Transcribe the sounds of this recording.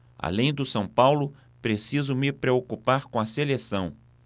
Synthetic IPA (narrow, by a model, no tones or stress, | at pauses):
a̰lẽj̃d̪ʊsɐ̃w̃pawlʊ | pɾesizʊmɪpɾeokupaɾkõɐselesɐ̃w̃